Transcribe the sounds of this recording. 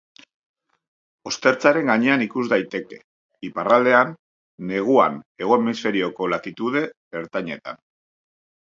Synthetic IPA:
o̞st̪e̞ɾt͡saɾe̞ŋɡaɲe̞anikuzd̪ajt̪e̞ke̞̰ | iparald̪e̞anː | e̞ɣ̞ua̰ne̞ɣ̞o̞emisfe̞ɾio̞ko̞lat̪it̪uð̞e̞ | eɾt̪aɲe̞t̪a̰n

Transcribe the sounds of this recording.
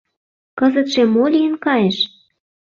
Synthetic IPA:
kɤ̆zə̆t̪ʃemolʲiənkɑjeʃ

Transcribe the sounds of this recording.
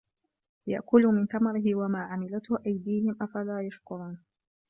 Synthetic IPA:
ja̰ʔkʊlʊmɪnt̪amɑɾɪhɪwamaːʕamɪlat̪hʊʔajd̪iːhɪmʔafalaːjaʃkʊɾˤuːn

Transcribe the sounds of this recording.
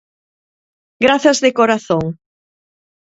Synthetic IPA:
ɡɾaθɐzðɪkoɾaθoŋ

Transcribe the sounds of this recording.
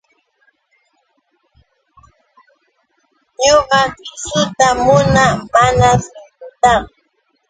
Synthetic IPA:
ɲoɢɑkɪsʊt̪amʊnamanaɾɪkʊt̪aŋ

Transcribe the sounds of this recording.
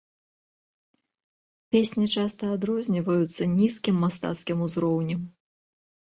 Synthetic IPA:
pʲesʲnʲit͡ʂast̪ɐːd̪ɾɔzʲnʲivɐjut̪sːɐnʲiskʲimːast̪a̰t̪skʲimuzɾɔwnʲɛm

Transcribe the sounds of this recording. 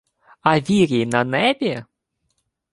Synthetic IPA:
ɐʋʲiɾʲijnɐnɛbʲi

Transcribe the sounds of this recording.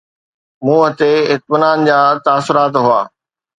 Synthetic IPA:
mũːɦət̪eɪt̪̚mɪnaːnd͡ʑaːt̪aːsʊɾaːt̪ɦuaː

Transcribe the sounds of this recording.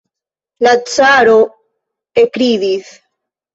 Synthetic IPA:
lat͡saɾo | ekɾiðis

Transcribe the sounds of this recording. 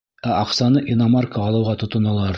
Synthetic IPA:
æʔɒqsɑnɤʔinɑmarkəːlˠɤ̆wʁɑt̪ŏt̪ɤ̆nɑlˠɑɾ

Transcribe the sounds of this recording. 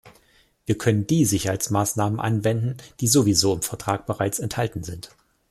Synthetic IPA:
viːɐkʰœnənd̥iːzɪçɐhaɪt͡smaːsnaːmənʔa̰nvɛndn̩d̥iːzovizoːɪmfɛɐtʁ̥aːk̚b̥əʁaɪt͡sɛnthaltn̩zɪnt

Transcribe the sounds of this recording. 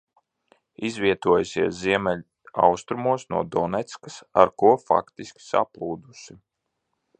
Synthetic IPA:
izviɛt̪uɔjusiɛsziɛmɛlʲ | a̰wst̪ɾumuɔsnuɔd̪ɔnɛt̪skasa̰ɾkuɔfa̰kt̪iskʲi̥sa̰plˠuːd̪usi

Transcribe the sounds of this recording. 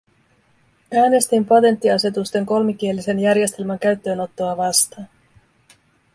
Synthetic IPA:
æːne̞st̪impɑt̪e̞nt̪ːiɑse̞t̪ust̪e̞ŋko̞lmik̟ielːise̞njærje̞st̪e̞lmæŋk̟æɥt̪ːø̞ːno̞t̪ːoɑʋɑst̪ɑːn

